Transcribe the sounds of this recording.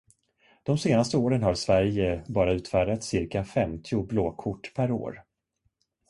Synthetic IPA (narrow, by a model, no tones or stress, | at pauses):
d̪̥ɔmseːnast̪əoːɾənɦaɾsvæɾjəbɑːɾaʉ̟ːt̪fæːɖat̪sɪɾkafɛmt̪ʰɪʊbloːkʰʊʈːpʰæɾo̰ːɾ